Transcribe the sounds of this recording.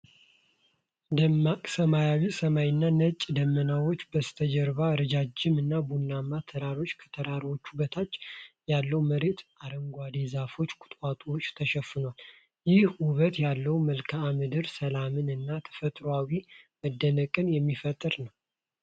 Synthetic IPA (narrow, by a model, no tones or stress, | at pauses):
d̪əmːakʼsəmajawisəmajɪnːanət͡ʃʼːd̪əmːənawo̞t͡ʃːbəst̪ʰəd͡ʒɛɾβaɨɾəd͡ʒad͡ʒːɪmɨnːabunːamːat̪ʰəɾaɾo̞t͡ʃːkʰə̥t̪ʰəɾaɾwo̞t͡ʃːubət̪ʰat͡ʃːjalːəwməɾet̪aɾəŋɡʷad̪ezafo̞t͡ʃːkʰʼʊ̥t̪ʼwʼat̪ʼwot͡ʃːt̪ʰəʃɛfːɨnwal | jɪhwʊβət̪jalːəwməlkʰaːmɨd̪ɨɾsəlamɨnɨnːat̪ʰə̥fət̪ʼɾoawiməd̪ːənəkʼɨnjɛmːifət̪ʼːɨɾnəw